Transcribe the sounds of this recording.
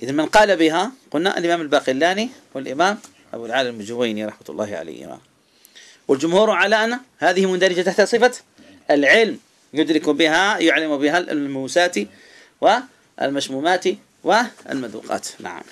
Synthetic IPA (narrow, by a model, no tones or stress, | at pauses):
ʔɪðanmɪnqɑːlabɪɦaqʊlna̰ʔa̰lʔɪmaːmalbaːqɪlːaːniwɪlʔɪmaːm | ʔa̰bulʕaːlɪmd͡ʒʊwajniɾˤɑħmat̪lˤːɑ̰ːhʕa̰la̰jhɪ̰ma̰ | wɪld͡ʒʊmhuːɾʕalaːʔnahaːðɪhimʊnd̪aɾɪd͡ʒat̪aħt̪asˤɨfa | ɪlʕɪlm | jʊd̪ɾɪkubɪɦajʊʕlːɪmubɪɦalmuːsaːt̪i | wɪ̰ | lmaʃmuːmaːt̪i | wɪa̰lmad̪ṵːqɑ̰ːt̪na̰ʕa̰m